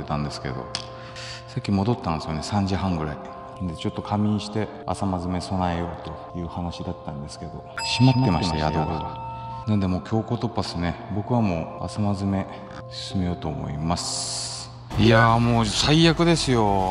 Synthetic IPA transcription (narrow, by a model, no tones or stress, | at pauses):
et̪ãnd̪e̞sɨ̥ke̞̰d̪o̞̰ | sakʲːimo̞d̪o̞t̪ːãnd̪esɨjonesãɲ̟d͡ʑɨɦãŋɡɯ̟ɾa̰i | nand̪e̞t͡ɕo̞t̪ːo̞kʰamʲiɲ̃ɕi̥t̪e̞ | a̰samazɨme̞so̞naejo̞ːt̪o̞jɯ̟ːhanaɕid̪at̪ːãnd̪e̞sɨ̥ke̞d̪o̞ɕimat̪ːemajao | nãnd̪e̞mo̞ːkʲʰo̞ːko̞ːt̪o̞pːasnebo̞kɯβamo̞ːa̰samazɨme̞ | ɕi̥sɨmejo̞ːt̪o̞ːmo̞̰imasɨ | ijamo̞ːsaijakɯ̟d̪e̞sɨjo̞